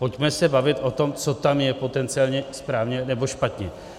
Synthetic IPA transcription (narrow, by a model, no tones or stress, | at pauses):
po̞cmɛsɛbavɪt̪ʔo̞t̪o̞mt͡so̞t̪amjɛpo̞t̪ɛnt͡sɪalɲɛspɾaːvɲɛnɛbo̞ʃpat̪ɲɛ